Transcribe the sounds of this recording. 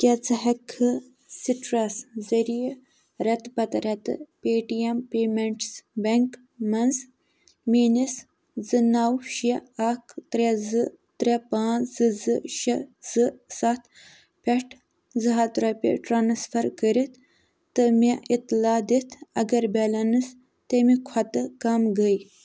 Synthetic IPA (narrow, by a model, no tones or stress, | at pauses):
kʲet͡sɨɦɐkʰɨ | siʈɾaszɐɾij | ɾɐt̪pɐt̪ɾɐt̪ɨ̰peːʈiempeːmeɳʈsbeŋk | mɐnz | miːnis | zɨnawʃiakʰt̪ɾezɨ | t̪ɾʲepãːzɨzɨʃɐzɨsat̪ʰ | pʲeʈʰ | zɨɦat̪ɾopʲḭʈɾaːnsfʰɐɾkəɾit̪ʰ | t̪ːɨmeit̪laːd̪it̪ʰɐɡɐɾbelɐnɨs | t̪əmikʰɐt̪ɨkamɡəj